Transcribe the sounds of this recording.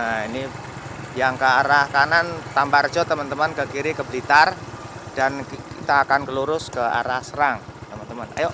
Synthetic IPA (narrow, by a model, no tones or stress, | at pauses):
ini | jaŋkəaɾahkanant̪ambard͡ʒɔt̪əmənt̪əmankəkiɾikəblit̪ard̥ankkit̪aːkankəluɾʊskəa̰ɾahsəɾaŋt̪əmant̪əmana̰joʔ